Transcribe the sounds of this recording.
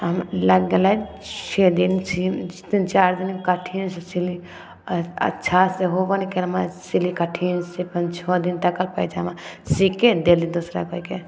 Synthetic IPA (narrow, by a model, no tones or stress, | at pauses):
ɦɐmlɐɡɡela | t͡ʃʰed̪insid̪int͡ʃaːɾd̪inkɐʈʰinsesili | ɐ̰tːʃʰaseɦobɐnikeɾmasilikɐʈʰinsepɐnt͡ʃʰɔd̪int̪ɐkəlpɐjd͡ʒamãsiked̪elid̪usɾa̰koike